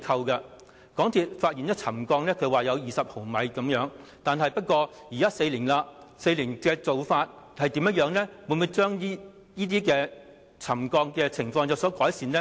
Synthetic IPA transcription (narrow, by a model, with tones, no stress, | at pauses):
kʰɐ˧wkɐ˧ | kɔː˨˥ŋt̪ʰiː˨t̚faː˧t̚i˨njɐ˥t͡sʰɐ˨˩mkɔː˧ŋnɛː˥kʰɵ˨˧ɥwaː˨jɐ˨˧wjiː˨sɐ˨p̚ho˨˩wmɐ˨˧jkɐ˨˥mjœː˨˥ŋt̪aː˨nɦɐ˨jpɐ˥t̚kʷɔː˧ | jiː˨kaː˥se˧jliː˨˩nlaː˧se˧jliː˨˩nkɛː˧t͡so˨wfaː˧t̚ | hɐ˨jt̪i˨˥mjɐ˥t̚jœː˨˥ŋnɛ˥wu˨˧˥nmu˨˧jt͡ʃœː˥ŋi˥ | jiː˥t̪iː˥kɛː˧ | t͡sʰɐ˨˩mkɔː˧ŋkɛː˧t͡sʰɪ˨˩ŋfɔː˧ŋjɐ˨wsɔː˨˥kɔː˨˥jsiː˨nlɛ˥